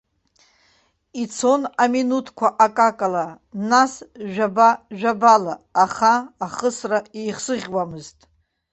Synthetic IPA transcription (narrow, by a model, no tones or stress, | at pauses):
it͡sʰo̞naminutʰkʷʰaʔakʼakʼala | nasʒᶣabaʒᶣabalaːχaːχəsraijχsɨʁʲwamɨztʼ